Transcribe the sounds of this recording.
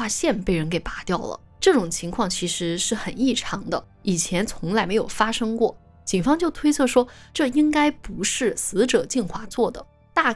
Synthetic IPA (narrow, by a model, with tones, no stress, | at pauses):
a˥˧ɕjɛ˥˧npe˥˩ɪɻə˧˥nke˨˩ɪpa˧˥t̪jɑ˥˩ʊlə̰˩ | ʈ͡ʂɤ˥˩ʈ͡ʂʊ˨˩ŋt͡ɕʰi˧˥ŋkʰwɑ˥˩ŋt͡ɕʰi˧˥ʂɻ̩˧˥ʂɻ̩˥˩xə˨˩ni˥˩ʈ͡ʂʰɑ˧˥ŋd̪ə˧ | i˨˩t͡ɕʰjɛ˧˥nt͡sʰʊ˧˥ŋla˧˥ɪme˧˥ɪjo˨˩ʊfa˥ʂɤ˥ŋkwɔ˥˩ | t͡ɕi˨˩nfɑ˥ŋt͡ɕjo˥˩ʊt̪ʰwe˥ɪt͡sʰɤ˥˩ʂwɔ˥ʈ͡ʂɤ˥˩i˥ŋka˥ɪpu˧˥ʂɻ̩˥˩sɹ̩˧˥ʈ͡ʂɤ˨˩t͡ɕi˥˧nxwa˥˩t͡swɔ˥˩d̪ə˩ | t̪a˥˩